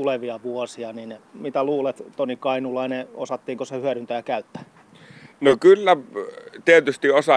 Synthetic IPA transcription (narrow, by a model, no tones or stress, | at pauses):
uleʋiɑʋuɔsiɑninmit̪æluːlet̪t̪onikɑinulɑineosɑt̪ːiːŋkosehyæɾynt̪æjɑkæyt̪ːæ̥ | nokylːæt̪iet̪yst̪iosɑ